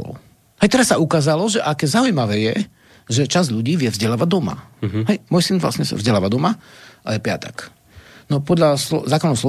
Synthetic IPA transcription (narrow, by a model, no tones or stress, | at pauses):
ɔ̰l | hɛjt̪ɛɾasːaukaːzalɔʒɛʔakɛzaujmaʋɛːjɛ | ʒɛt͡ʃazʎuɟiːʋɪɛvzɟɛlaːʋaɟ̚d̪ɔma̰ɦɛjmɔjsinvla̰sɲɛsa̰vzɟɛlaːʋad̪ɔmaʔajɛpɪat̪ɛk | nɔpɔd̪ʎasɔzaːkɔnːɔɦʊslɔ